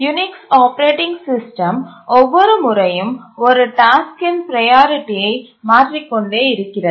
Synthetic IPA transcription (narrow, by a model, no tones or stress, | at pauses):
jʊnɪksaːpɐɾeːʈɪŋɡsɪsʈɐmɔʋːɔɾɯmʊɾɐjɯmɔɾɯʈaːskɪnpɾɐjaːɾɪʈːijɐɪ | maːʈrikːɔɳɖeːɪɾɯkːɪrɐ